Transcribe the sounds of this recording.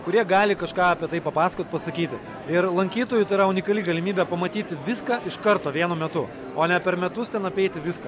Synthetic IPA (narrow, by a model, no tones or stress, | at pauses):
kʊɾʲiɛɡɑːlʲɪkɐʃkɑːɐpʲiɛt̪ɐɪpɐpɑːsɐkoːt̪̚ʲpɐsɐkʲiːt̪ʲɪ | ɪɾlˠɐŋʲkʲiːt̪oːjʊt̪ɐɪɾɐʊnʲɪkɐlʲiɡɐlʲɪmʲiːbʲɛpɐmɐt̪ʲiːt̪ʲɪʋʲɪskɑːʔɪʃkɐɾt̪oːʋʲiɛnʊmʲɛt̪ʊ | oːnʲɛpʲɛɾmʲɛt̪ʊst̪ʲɛnɐpʲɛɪt̪ʲɪʋʲɪskɐ